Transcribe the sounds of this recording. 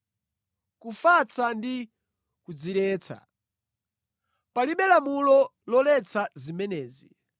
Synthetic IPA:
kufat͡sandi | kud͡ziɾɛːt͡sʰa̰ | paliɓɛlamulɔlɔlɛt͡sazimɛnɛːzi

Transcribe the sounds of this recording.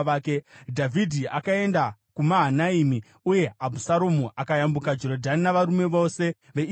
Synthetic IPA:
kedʱavʱidʱiakae̞ndakumaɦanaimi | uje̞abʱusaɾomuʔakajambukad͡ʒo̞ɾodʱaninaʋaɾume̞ʋo̞ːse̞ | ʋe̞

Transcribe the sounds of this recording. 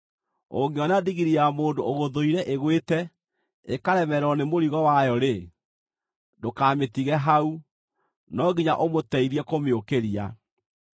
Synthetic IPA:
o̰ŋɡeɔnadiɣiɾiamoːndooɣoðoiɾɛʔeɣwetɛ | ekaɾɛmɛɾɔnemoɾiɣɔwajɔɾe | dokametiɣɛɦau | nɔɣiɲaʔomotɛiɾɛkomeokeɾia̰

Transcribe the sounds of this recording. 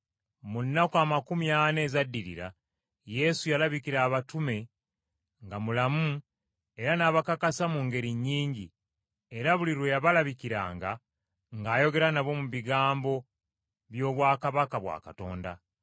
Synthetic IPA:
munːakaːmakumijane̞zadːiɾḭɾa̰ | je̞sujalaβikiɾaːβatume̞ | ŋɡamulamu | e̞ɾanaːβakakasamuŋɡe̞ɾiɲːiːɲɟi | e̞ɾaβuliɾwejaβalaβikiɾa̰ːŋɡa | ŋɡaːjo̞ɡe̞ɾanaβo̞muβiɡaːmbo̞ | βjo̞ːβwaːkaβakaβwa̰ːkato̞̰ːnda̰

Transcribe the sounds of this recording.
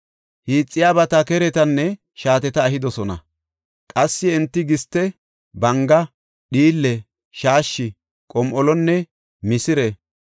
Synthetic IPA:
hiːt͡sʼːɪjaːbɐt̪ɐkɛɾɛt̪ɐnːɛ | ʃaːt̪ɛt̪ɐːɦɪd̪ɔsɔnɐ̰ | kʼɐsːɪɛnt̪ːɪɡɪst̪ːɛ | bɐŋɡɐ | ɗiːlːɛ | ʃaːʃːɪ | kʼɔmʔɔlɔnːɛ | mɪsɪɾɛ

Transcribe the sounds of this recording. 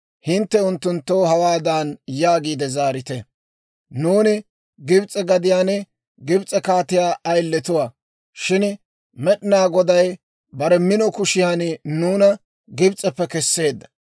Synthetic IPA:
hɪnt̪ːɛʊnt̪ːʊnt̪ːoːhɐwaːd̪aːnjaːɡiːd̪ɛzaːɾɪt̪ɛ | nuːnɪ | ɡɪbt͡sʼːɛɡɐd̪ɪjaːnɛ | ɡɪbt͡sʼɛkaːt̪ɪjaːʔɐjlːɛt̪ʊwa | ʃɪn | mɛɗɪnaːɡɔd̪ɐj | bɐɾɛmɪnɔkʊʃɪjaːnnuːnɐ | ɡɪbt͡sʼːɛpːɛkɛsːe̞ːd̪ːɐ̥

